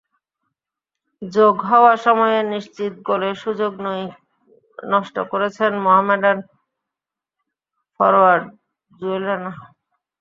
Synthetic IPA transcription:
d͡ʑoɡɦɔoaʃɔmɔjeniʃt͡ɕit̪̚ɡoleʃud͡ʑoɡnoj | nɔʃʈokoɾet͡ɕʰenmoɦamːed̪aɾ | fɔɾowaɖ | d͡ʑoelona

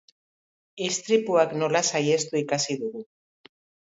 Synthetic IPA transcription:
ist̪ɾipuakno̞lasaje̞st̪uikasiðuɣu

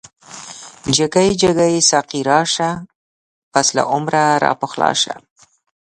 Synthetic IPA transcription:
d͡ʒaɡajd͡ʒaɡajsɑqiɾɑʂa | pasla̰ʔʊmɾaɾɑ̰pəxlɑ̰ʃa̰

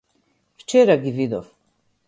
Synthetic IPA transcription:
ft͡ʃɛɾaɡivid̪ɔf

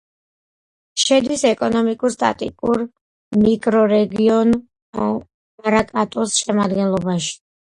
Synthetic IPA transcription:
ʃɛd̪isɛkʼɔnɔmikʼuɾst̪ʼa̰t̪ʼḭkʼuɾ | mikʼɾɔɾɛɡiɔn | aɾakʼat̪ʼɔsʃɛmad̪ɡɛnlˠɔbaʃi̥

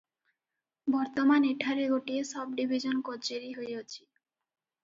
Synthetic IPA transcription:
bɔɾt̪omaneʈʰːaɾeɡoʈieʃɔb̚ɖibʱid͡ʑonkɔd͡ʑeɾiɦojot͡ɕʰi̥

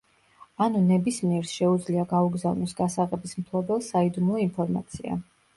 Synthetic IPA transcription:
anunɛbismiɛɾsʃɛud̪zliaɡauɡɾzavnɔsɡasaʁɛbismt̪ʰlˠɔbɛlˠsaid̪umlˠɔinpʰɔɾma̰t̪sʰia̰

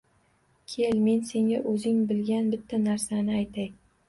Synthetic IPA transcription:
kʲʰelme̞nse̞ŋʲaʔɵzɪŋbɪlɡʲanbɪt̪ʰːanaɾsanɪajt̪ʰaj

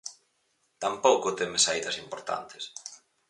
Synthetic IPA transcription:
t̪ampowkʊt̪emesaiðɐsimpoɾt̪a̰nt̪ɪ̥s

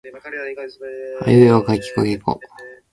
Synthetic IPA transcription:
a̰jɯeβakaikʲi̥koɡeko̰

